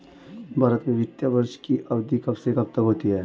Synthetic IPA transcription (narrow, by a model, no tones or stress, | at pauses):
bʱaːɾət̪mẽʋɪt̪jabəɾʃkiʔɐbd̪ikɐbsekɐbt̪əkɦoːt̪iɦɛː